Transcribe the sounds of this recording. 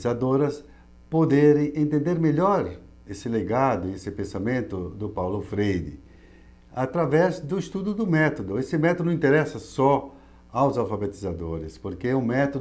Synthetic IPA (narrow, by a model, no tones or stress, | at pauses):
zad̪oɾɐs | pod̪eɾẽjẽnt̪ẽnd̪eɾmeʎɔɾ | esɪleɡad̪ʊiesɪpẽsamẽnt̪ʊd̪ʊpawlʊfɾejd̪ɪ̰ | at̪ɾavɛzd̪ʊist̪ud̪ʊd̪ʊmɛt̪od̪ʊesɪmɛt̪od̪̃ĩnt̪eɾɛsɐsɔ | awzawfabet̪izad̪oɾɪspoɾkeʊmɛt̪o